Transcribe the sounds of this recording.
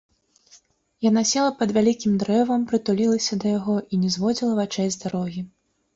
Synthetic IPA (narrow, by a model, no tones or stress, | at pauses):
janasʲɛlˠɐpɐd̪vʲalʲikʲimd̪ɾɛvɐmpɾɨt̪ulʲilˠɐsʲɐd̪ɐjaɣɔʔinʲɛzvɔd͡zʲilˠɐvat͡ʂɛjzd̪aɾɔɣʲi